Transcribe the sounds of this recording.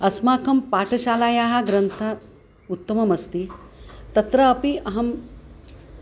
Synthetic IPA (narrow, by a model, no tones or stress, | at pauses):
ɐsmaːkʰɐmpaːʈʰɐʃaːlaːjaːɦɐ̆ɡɾɐnt̪ʰɐ | ut̪ːɐmɐmɐst̪it̪ɐt̪ɾɐːpiɐɦɐm